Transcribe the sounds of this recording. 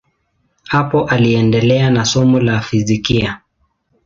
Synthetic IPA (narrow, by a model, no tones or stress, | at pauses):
hapɔʔaliɛndɛlɛanasɔmulafizikia